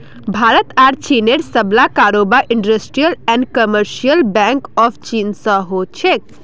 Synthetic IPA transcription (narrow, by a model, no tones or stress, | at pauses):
bʱaːɾət̪aːɾt͡ʃineɾsəblakaːɾoːbaʔɪɳɖəsʈɾijəlɛɳɖkəməɾʃijəlbɛŋkɔfʰt͡ʃiːnsə̃ɦot͡ʃʰek